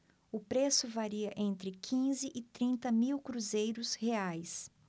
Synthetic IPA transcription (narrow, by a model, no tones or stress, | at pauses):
ʊpɾesʊvaɾiɐʔẽnt̪ɾɪkʰĩzɪʔɪt̪ɾĩnt̪ɐmiwkɾuzejɾʊsheajs